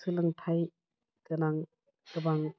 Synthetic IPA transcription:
sɯlaŋtʰaj | kɯnaŋ | kɯbaŋ

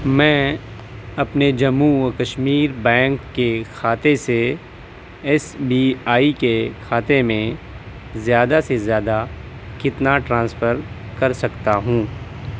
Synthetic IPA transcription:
mɛ̃ː | ɐpned͡ʒɐmukɐʃmiːɾbɛ̃ːŋkːexʰaːt̪ese | ɛsbiaːikekʰaːt̪emẽ | zjaːd̪asezjaːd̪a | kɪt̪naʈɾãːnsfʰəɾ | kɐɾsɐkt̪aɦũː

